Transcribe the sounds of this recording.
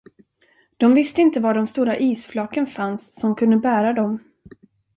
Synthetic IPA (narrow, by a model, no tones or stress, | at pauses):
d̪̥ɔmvɪst̪əɪnt̪əvaɖɔmst̪uːɾaʔiːsflɑːkənfansːɔmkʰɵnd̪əbæːɾad̪ɔm